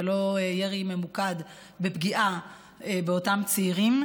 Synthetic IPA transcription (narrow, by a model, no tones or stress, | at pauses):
elo̞jeʁime̞mukad | bepɡiʔa | ebeotamt͡siːʁim